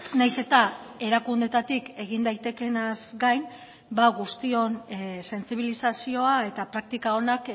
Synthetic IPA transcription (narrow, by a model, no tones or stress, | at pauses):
najse̞t̪ae̞ɾakund̪e̞t̪at̪ike̞ɣind̪ajt̪e̞ke̞nazɡajn | baɣust̪io̞nse̞nsiβ̞ilisasio̞ae̞t̪apɾak̚t̪ikao̞nak